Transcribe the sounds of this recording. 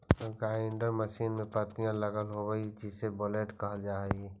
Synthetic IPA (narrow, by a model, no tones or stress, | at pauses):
ɡaːɪɳɖəɾməʃiːnmẽpət̪ijãləɡəlɦobəid͡ʒɪsebɔːleːʈkəɦəld͡ʒaːeɡi